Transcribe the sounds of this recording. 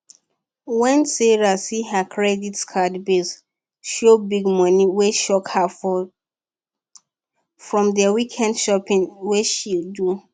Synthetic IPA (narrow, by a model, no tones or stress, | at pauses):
wɛ̃nsɛɹasiɦakʰɹɛditskʰadbes | ʃobiɡmɔ̃niweʃɔkha | fɹɔ̃mdəwikʰɛ̃ndʃɔpĩnweʃildu